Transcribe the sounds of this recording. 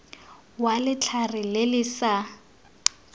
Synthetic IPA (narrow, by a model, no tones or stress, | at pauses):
walɪt͡ɬʰarɪlɪlɪsa